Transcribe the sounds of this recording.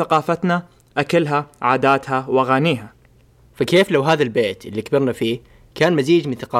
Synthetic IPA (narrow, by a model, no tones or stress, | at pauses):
aqɑːfat̪na | ʔakalɦaʕaːd̪aːt̪hawaɣaːniːɦa | fakeːflawɦaːðalbeːt̪ʔɪlːikbɪɾnafiː | kaːnmaziːd͡ʒmɪnθaqɑː